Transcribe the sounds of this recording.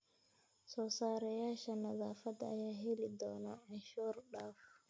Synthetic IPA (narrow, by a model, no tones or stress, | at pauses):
sɔsaːɾɛjaʃanazafada̰jaɦelidɔnaɛnʃɔɾɗaːf